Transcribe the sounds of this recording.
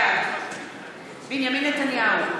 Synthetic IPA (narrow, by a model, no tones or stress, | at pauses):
binjaminatanijaɦo